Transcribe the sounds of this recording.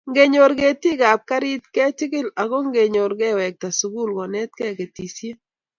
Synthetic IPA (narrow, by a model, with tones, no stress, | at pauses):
ŋɡe˨ɲo˨ɾɡe˨ti˦ɡa˨p̚ka˦ɾi˦t̪kɛ˦t͡ʃɪ˦kɪ˦la˨ko˦ŋɡe˨ɲo˨ɾɡɛ˦˨wɛ˨k̚ta˨su˨ɡu˦˨lɡɔ˨nɛ˦t̚kɛ˦˨ɡe˨ti˨sje˦